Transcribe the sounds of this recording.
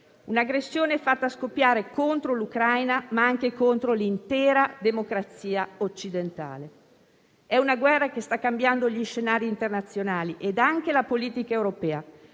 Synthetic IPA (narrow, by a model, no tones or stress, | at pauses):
unaɡɾesːjoːneɛfːat̪ːaskopːjaːɾekont̪ɾolukɾajnamaaŋk̟ekont̪ɾolint̪ɛːɾad̪emokɾat̪siːaot͡ʃːid̪ent̪a̰ːle | ɛunaɡwɛrːakest̪akːambjand̪oʎiʃenaːɾiːnt̪ernat̪sːjonaːliʔed̪aŋk̟elapoliːt̪ikaewɾopɛːa